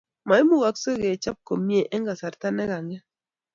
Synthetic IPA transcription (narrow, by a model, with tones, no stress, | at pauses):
ma˨i˦mu˦˨ɣa˨ksɔ˦ɣe˨t͡ʃa˦p̚ko˨mje˨ʔɛ˦ŋɡa˨sa˨ɾta˦nɛ˦ɣa˨ŋɛ˦